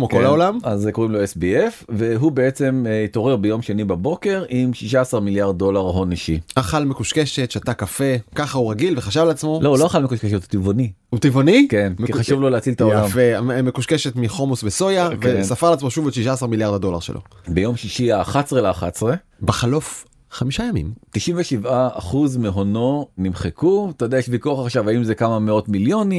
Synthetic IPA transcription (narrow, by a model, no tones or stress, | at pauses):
kmoko̞laolamazkoʁimloesbiefveɦubeet͡semit̪o̞ʁeʁbejo̞mʃenibabo̞ke̞ʁimʃiʃaasaʁmiljaʁd̪̚ːo̞laʁɦoniʃiaχalmekuʃke̞ʃe̞t̪ʃat̪akafe̞kaχauʁaɡilve̞χaʃavleat͡smo̞lo̞loaχalmekuʃkeʃet̪u̥t̪ivoni | t̪ivonikenmekiaʃuvloleat͡silt̪aolamfeame̞kuʃke̞ʃe̞tmiχo̞musbeso̞javesafaʁleat͡smo̞ʃuveʃiʃaesaʁmiljaʁd̪ad̪o̞laʁʃḛlo̰bejo̞mʃiʃiaχat͡sʁelaaχat͡sʁe | beχalo̞f | χamiʃajamḭmt̪iʃimveʃivaa̰χuzmeɦono̞nimχekut̪aodeajeʃbikuaχaχʃavaimzekamameo̞tmiljo̞ni